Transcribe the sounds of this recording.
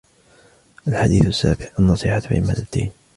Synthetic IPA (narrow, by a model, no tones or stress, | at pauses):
ʔalħad̪iːθasːa̰ːbɪʕʔanːɑsˤiːħat̪ħɪ̰ma̰d̪at̪ːa̰jn